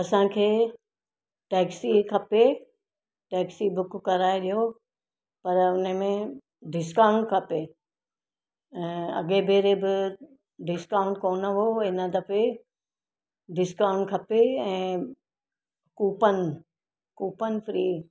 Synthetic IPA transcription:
ɐsãkʰeː | ʈɛːksikʰɐpe | ʈɛːksibʊkkɐɾaːeɗijo | pɐɾʊnəmẽ | ɖɪskaːʊ̃ɳʈkʰɐpe | ɛ̃ːɐ̰ɠebʱeːɾebɪ | ɖɪskãːʊ̃ɳʈ̚koːnəʋoɪnəd̪ɐfe | ɖɪskãːʊ̃ɳʈkʰɐpeɛ̃ː | kuːpənɪ | kuːpənɪ̆fɾiː

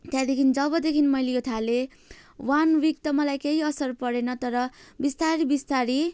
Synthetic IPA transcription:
t̪jãd̪ekʰinid͡zʌbʌd̪ekʰinmʌjlejot̪ʰale | wanwik̚t̪ʌmʌlajkeɦiʌsʌrpʌɾenʌt̪ʌɾʌbist̪aɾibist̪aɾi

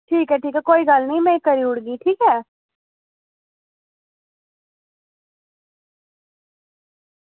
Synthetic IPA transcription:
ʈʰiːkɦɛːʈʰiːkɛːkoːiːɡəlnəĩmɛ̃ːkəɾiːʊɽɡiʈʰiːkɛː

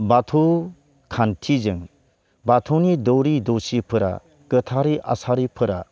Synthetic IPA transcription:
batʰu | kʰantʰizɯŋ | bat̪ʰunidɔwɾidosipʰɯɾa̰ | kɯt̪ʰaɾiʔa̰saɾipʰɯɾa̰

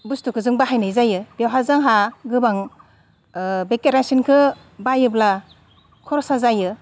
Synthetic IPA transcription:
bustukʰɯzɯŋbaɦajnajzajɯbjewɦazaŋɦaɡɯbaŋ | bekeɾansinkʰɯ | bajɯbla | kʰɔɾɔsazajɯ

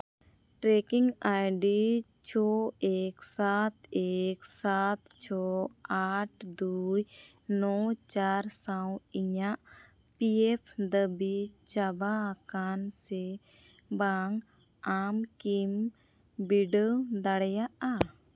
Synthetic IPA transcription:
ʈɾɛkiŋajɖi | t͡ʃʰɔɛksat̪ɛksat̪t͡ʃʰɔaʈ̚ʰd̪uj | nɔt͡ʃaɾsaw̃iɲaʔ | piɛpʰd̪əbit͡ʃabakansɛ | baŋ | amkim | biɖəwd̪aɽɛjaʔa

